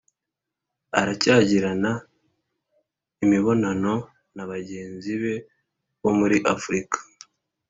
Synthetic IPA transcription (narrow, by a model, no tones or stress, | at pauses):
a̰ɾacaːɟiɾana | imiβo̞nano̞ | naβaɟe̞ːnziβe̞ | βo̞muɾiʔafuɾikḁ